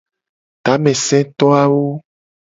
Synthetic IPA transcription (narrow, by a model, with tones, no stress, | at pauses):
t̪a˨˦mɛ̃˨sɛ̃˦t̪ɔ˦a˦wo˦